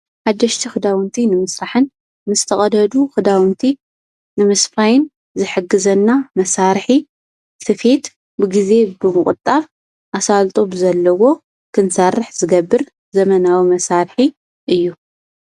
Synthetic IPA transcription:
ħad̪ːɐʃt̪ʰixɨd̪awɨnt̪ʰinɨmɨsɾaħɨnː | ɨzt̪ʰɐχʼɐd̪ɐd̪uxɨd̪awɨnt̪ʰi | nɨmɐsfajɪn | zɨħɨɡɨzɐnːamɐsaɾħi | sʰɨfe̞t̪ | bɨɡize̞bɨmɨχʼɨt̪ʼaβ | ʔasalt̪ʼobzɐlːɐwo̞ | kʰɨnsɐrːɨħz̥ɨɡɐbːɨɾ | zɐmɐnawimɐsaɾħi | ʔɨjːu

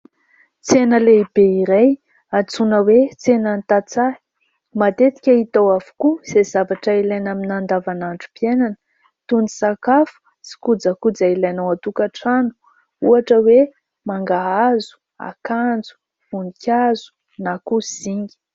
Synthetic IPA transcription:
t͡senəleib̥eiɾaj | at͡sunəwet͡senənt̪at͡sḁ | mat̪et̪i̥kʲaɦit̪owavu̥kuz̥ezavaʈ͡ʂailajnaminand̪avanaɳɖ͡ʐupienanə̥ | t̪uni̥sakafu̥ | si̥kud͡zakud͡zailajnowat̪ukaʈ͡ʂanu̥ | uaʈ͡ʂəwe | maŋɡaɦazu̥ | a̰kand͡zu̥ | unikʲazu̥ | nakuz̥iŋi̥

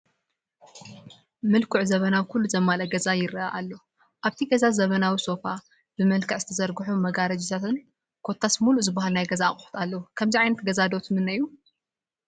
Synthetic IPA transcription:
mɨlkʰuʕzɐβɐnawkʰulːuzɐmːalɐɡɐzajɪɾɨaʔalːo | ʔaβt̪ʰiɡɐzazɐβɐnawiso̞fa | bɨmɐlkʰɐʕz̥ɨt̪ʰɐzɐɾɡɨħumɐɡaɾɐd͡ʒit̪ʰat̪ʰɨn | kʰo̞t̪ʰːasmuluzɨbːahalnajɡɐzaːχʼʊħu̥t̪ʰalːɐwukʰɐmziʕajnɐt̪ɡɐzad̪o̞t̪mɨnːɐjːu

